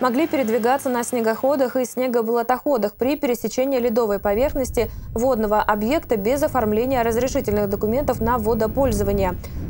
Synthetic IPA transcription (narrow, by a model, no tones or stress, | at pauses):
mɐɡlʲipʲɪɾʲɪd̪vʲɪɡat̪sːənəsʲnʲɪɡɐxo̞d̪əxɨsʲnʲeɡəblˠət̪ɐxo̞d̪əxpɾʲɪpʲɪɾʲɪsʲɪt͡ɕenʲɪjɪlʲɪd̪o̞vəjpɐvʲe̞rxnəsʲtʲɪvo̞d̪nəvəʔɐbje̞kt̪əbʲɪzɐfɐrmlʲenʲɪjəɾəzɾʲɪʂɨtʲɪlʲnɨɣd̪əkʊmʲe̞nt̪əfnɐvo̞d̪əpo̞lʲzəvənʲɪjə